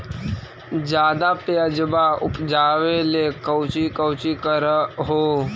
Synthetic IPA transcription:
d͡ʒjaːd̪apeəd͡ʒbaʊ̰pd͡ʒaːʋelekəwt͡ʃikəwt͡ʃikəɾɦoː

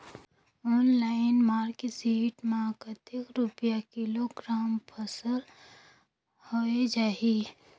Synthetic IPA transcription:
ɔːnlaːɪnmaːɾkesiːʈmaːkət̪ɪkɾʊpjakɪloɡɾaːmpʰəsəɾ | hoed͡ʒaːi

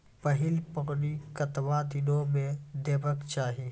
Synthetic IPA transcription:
pəɦɪlpɐɣnikɐt̪ʋad̪ɪnõmẽd̪eːbəkt͡ʃaːɦi

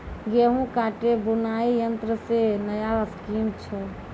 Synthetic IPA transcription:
ɡeɦũkaʈebunaijənt̪ɾəsenəjaəskimt͡ʃʰɛ

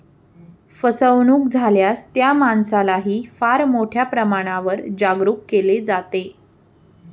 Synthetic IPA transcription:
fəsəʋnuːk̚d͡zʱaljast̪jamansalaɦiːfaɾmoʈʰjapɾəmaɽ̃aʋəɾd͡ʑaɡɾuːkkeled͡zat̪e

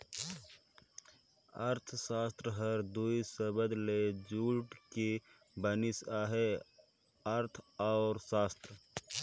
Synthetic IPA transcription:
əɾt̪ʰsaːst̪ɾəɦəɾd̪uisəbəd̪led͡ʒuːʈke | bənisaɦe | əɾt̪ʰaʊɾsaːst̪ɾə

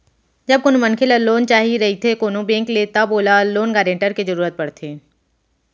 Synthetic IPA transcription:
d͡ʒɐb̚konmɐnkʰɪlɐlːoːnt͡ʃaːɦiɾɐɦit̪ʰekoːnõbẽːŋklet̪aboːlalːoːnɡaːɖẽːɳʈəɾkizɐɾuːɾət̪̚pɐɽt̪ʰeː

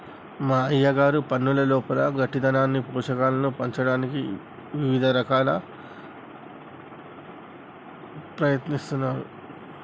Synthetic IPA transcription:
maːɐjːaɡaːɾupɐnːulɐlɔːpɐlɐɡɐʈːid̪ɐnaːnːipuːʂɐkaːlɐnupɐɲt͡ʃɐɽaːniki | ʋiʋid̪ʱɐɾɐkaːlɐ | pɾɐjɐt̪nist̪unːaːɾṵ

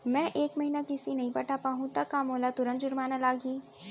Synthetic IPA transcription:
mɛ̃ːʔeːkmɐɦinakɪsinɐɦĩpɐʈapaːɦũt̪ɐkːamoːlat̪ʊɾə̃nt̪d͡ʒʊɾmaːnalaːɡiː

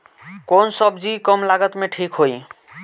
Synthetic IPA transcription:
konsʌbʱd͡ʒikɔmlaɡət̪meʈʰikɦoj

